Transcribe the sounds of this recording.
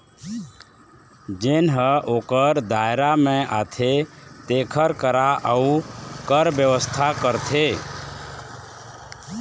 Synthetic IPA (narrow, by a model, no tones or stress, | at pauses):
d͡ʒenɦəʔoːkəɾd̪aeɾamẽʔa̰t̪ʰet̪ekʰəɾkəɾaʔəukəɾbjəʋəst̪ʰakəɾt̪ʰe